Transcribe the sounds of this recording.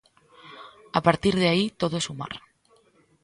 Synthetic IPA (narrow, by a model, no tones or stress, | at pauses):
apaɾt̪iɾðeait̪oðosuma̰ɾ